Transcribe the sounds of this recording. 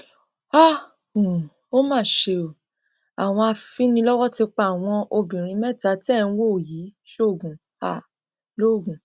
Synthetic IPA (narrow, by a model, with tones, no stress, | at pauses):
a˦ | u˨ | o˦mãː˦˨ʃe˧o˨ | a˨w̃ɔ̃˧a˧fi˦nĩ˧lɔ˦wɔ˦ti˧k͡pa˧˨w̃ɔ̃˧ʔo˧bĩ˨ɾ̃ĩ˨˧˦mɛ˦˨ta˨˦ti˦ɛ˦˨ñ̩˦wo˦˨ji˨˦ʃo˦˨ɡũ˨a̰˦˨ | lo˦˨ɡũ˨